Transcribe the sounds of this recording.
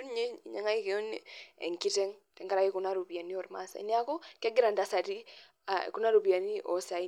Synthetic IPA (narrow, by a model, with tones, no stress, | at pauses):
ɲe˦i˨ɲa˨ŋa˦i˦keɔ˦nɛ̰˨ŋki˦tɛ˦ŋtɛ˨ŋɡa˦ɾa˨i˦ku˨na˦ɾu˨pi˨a˨ni˦ɔ˨ɾma̰sa̰˨ḭ˦nia˨kɔ˦ka˦ɡi˦ɾa˨nda˨˦sa˨ti˦ | a̰ḛ˨ku˦na˦ɾu˨pi˨a˨ni˦ʔɔ˨sa˨i˦